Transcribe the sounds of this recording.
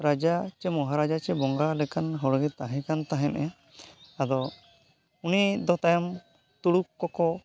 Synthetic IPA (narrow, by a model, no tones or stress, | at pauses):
ɾad͡ʒat͡ʃɛmɔɦaɾad͡ʒat͡ʃɛbɔŋɡalɛkanɦɔɽɔɡɛt̪aɦɛ̃kant̪aɦɛnʔɛ | ad̪ɔ | unid̪ɔt̪ajam | t̪uɽukːɔkɔ